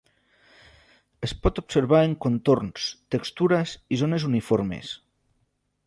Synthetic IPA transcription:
espɔt̪obseɾβ̞aeŋkont̪ornst̪ekst̪uɾazizonezunifoɾmḛs

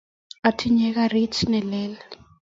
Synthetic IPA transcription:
atʰiɲɛk̬aritʰnɛlɛːla

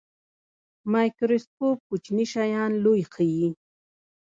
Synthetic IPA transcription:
majkɾɪspup̚ʊt͡ʃnɪʃajanlʊjqʰiji

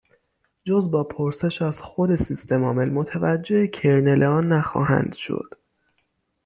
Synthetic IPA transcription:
d͡ʒozbɒːpʰoɾse̞ʃæzxo̞d̪e̞sist̪ʰe̞mɒːme̞lmot̪ʰævæd͡ʒːe̞ecʰeɾne̞leɒːnːæxɒ̰ːhæ̰nd̪̥ʃo̰d̪̥

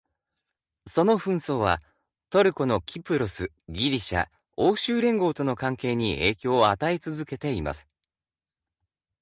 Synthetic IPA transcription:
so̞no̞ɸɯ̟̃ɰ̃so̞ːβa̰ | t̪o̞ɾɯ̟ko̞no̞kʲipɯ̟ɾosɨ | ɡʲiɾʲiɕa̰ | oːɕɨːɾẽ̞ŋɡo̞ːt̪o̞no̞kãŋke̞ːɲ̟ieːkʲo̞ːat̪ait͡sɨzɨke̞t̪e̞ima̰sɨ̥

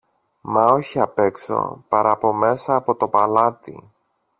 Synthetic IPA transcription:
mɐo̞çiɐpe̞kso̞̰pɐɾʔɐpo̞me̞sɐːpo̞t̪o̞pɐlɐt̪ḭ

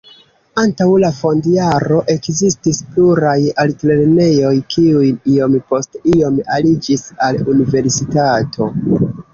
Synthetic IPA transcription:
antawlafo̞ndiaɾo̞ʔe̞kzistispluɾajaltle̞ɾne̞jo̞jkiujio̞mpo̞stio̞malid͡ʒisalunive̞ɾsitatʰo̞

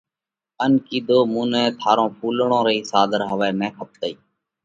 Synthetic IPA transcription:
ənkiːd̪oːmũːnɛ̃ːt̪ʰaːɾõːpʰuːlɳõːɾəiːsaːd̪ʱəɾɦəʋɛːnɛ̃ːkʰəp̚t̪əiː

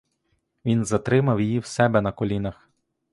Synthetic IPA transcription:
ʋʲinzɐt̪ɾɪmɐwjijiwsɛbɛnɐkɔlʲinɐx

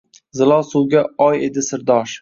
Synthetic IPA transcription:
zɪlˠɒlˠsuwɡʲaɒje̞d̪ɪsɪɾd̪ɒʃ

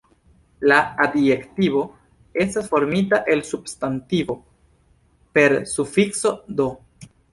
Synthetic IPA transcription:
laadektiβo̞ | e̞stasfo̞ɾmitaʔe̞lsubstantivo̞ | pe̞ɾsufikso̞do̞

